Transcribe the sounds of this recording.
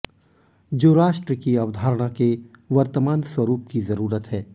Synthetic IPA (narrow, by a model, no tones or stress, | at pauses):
d͡ʒoːɾaːʃʈɾəkiɐʋd̪ʱaːɾəɽ̃akeʋɐɾt̪əmaːnswɐɾuːp̚kizɐɾuːɾət̪ɦɛː